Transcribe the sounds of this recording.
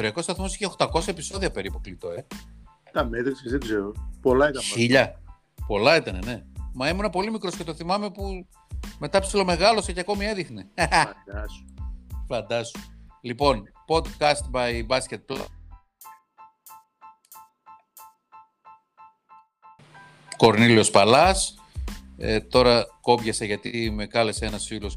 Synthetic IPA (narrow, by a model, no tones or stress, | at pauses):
oɾiɐko̞st̪ɐθmo̞siçext̪ɐko̞sɐe̞piso̞ðiɐpe̞ɾipuklit̪o̞e | t̪ɐmet̪ɾisizðeɡzeɾopolɐit̪ɐçiʎɐ | po̞lɐit̪ɐnene̞mɐemunɐpo̞limikɾo̞sce̞t̪o̞θimɐme̞pu | me̞t̪ɐpsilo̞me̞ɣɐlo̞seceɐko̞mie̞ðixned̪ɐsu̥fɐnd̪ɐsu̥lipo̞npo̞d̪kɐst̪bɐjbɐscet̪̚pl̰ | ko̞ɾnilio̞spɐlɐs | ḛt̪o̞ɾɐko̞pʝɐseʝɐt̪ime̞kɐle̞se̞nɐsfilo̞s